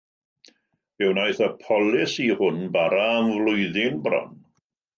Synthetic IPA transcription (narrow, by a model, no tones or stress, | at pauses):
ɪwnajθəpʰɔlˠɪsihʊnbaɾaːmvlʊjðɪnbrɔ̰n